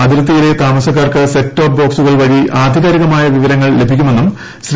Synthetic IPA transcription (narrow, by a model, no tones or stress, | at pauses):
ɐd̪iɾɐt̪̬ːijile̞t̪aːmɐsɐkːaːrkɨsetːoːp̚bo̞ːksuɣɐɭʋɐɽiʔaːd̪ʱiɣaɾiɣɐmaːjɐʋiʋɐɾɐŋːɐɭle̞bʱikʲːume̞nːum | sɾ